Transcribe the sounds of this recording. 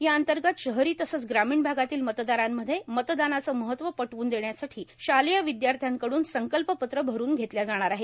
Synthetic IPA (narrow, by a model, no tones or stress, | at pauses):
ɦjaənt̪əɾɡət̪ɕəɦɾiːt̪əsət͡sɡɾamiːɳbʱaɡat̪iːlmət̪d̪aɾamːəd̪ʱːjemət̪d̪anat͡səːməɦət̪ːʋəpəʈʋuːnd̪eɳjasaʈʰiːɕaləjəʋid̪jaɾt̪ʰjaŋkəɽuːnsəŋkəlpəpət̪ɾəbʱəɾuːnɡʱet̪ljad͡zaɽ̃aɾaɦe